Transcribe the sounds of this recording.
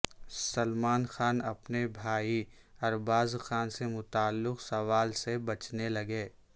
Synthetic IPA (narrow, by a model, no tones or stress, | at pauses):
sɐlmaːnxaːnɐpnebʱaːi | ɐɾbaːzxaːnsemʊt̪aːlːɪqsɐʋaːlsebɐt͡ʃnelɐɡeː